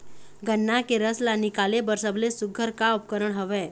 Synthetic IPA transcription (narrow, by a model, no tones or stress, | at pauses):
ɡənːakeɾəslanikalebəɾsəblesuɡʱəɾkaup̚kəɾəɳɦoʋe